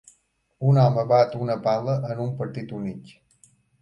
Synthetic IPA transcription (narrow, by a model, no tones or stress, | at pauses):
unaməβat̪unəpaləʔənumpəɾt̪it̪unik